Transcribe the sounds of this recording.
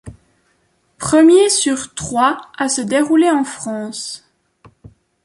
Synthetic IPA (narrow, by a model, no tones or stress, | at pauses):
pχəmjesyʁt̪χwaasəd̪eʁuleɑ̃fχɑ̃ːs